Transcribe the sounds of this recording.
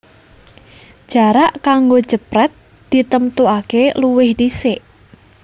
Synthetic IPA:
ʒ̥a̤ɾaʔkaŋɡo̥ʒ̥əpɾɛt̪̚ | d̪̥i̤t̪əmt̪uakeluwɪhdisɪʔ

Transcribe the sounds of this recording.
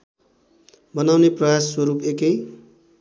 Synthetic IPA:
bʌnawneprʌjaswʌɾupekʌj

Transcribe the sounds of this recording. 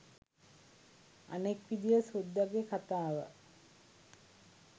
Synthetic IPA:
a̰nekʋid̪ijəsud̪ːaɡekat̪aːʋə̰

